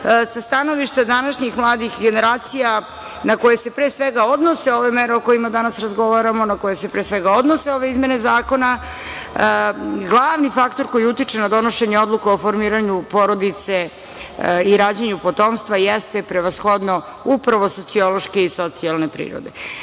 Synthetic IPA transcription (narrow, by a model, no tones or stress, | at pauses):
sast̪ano̞ʋiʃt̪ad̪anaʃɲixmlˠaːd̪ixɡe̞ne̞ɾaːt̪sija | nako̞jese̞pɾesʋeɡao̞d̪nose̞o̞ʋemeɾeo̞ko̞jimad̪anasɾazɡo̞ʋaɾamo̞nako̞jese̞pɾeːsʋeɡao̞d̪nose̞o̞ʋe̞izmje̞ne̞zaːko̞na | ɡlˠaːʋnifakt̪o̞ɾkojiut̪it͡ʂenad̪o̞noʃeɲeo̞d̪lˠukeofo̞ɾmiːɾaɲupo̞ɾo̞d̪it̪se̞ | iɾaːd͡ʑeɲupo̞t̪omst̪ʋajest̪e̞pɾe̞ʋasxo̞d̪no̞ | upɾaʋo̞so̞t̪sio̞lˠo̞ʃke̞iso̞t̪sialˠne̞pɾḭːɾo̰d̪e̞